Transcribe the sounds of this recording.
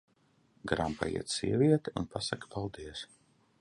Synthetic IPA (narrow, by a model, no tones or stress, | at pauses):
ɡɾampa̰jḭɛt̪sḭɛvʲiɛt̪iunpasakpalˠd̪iɛs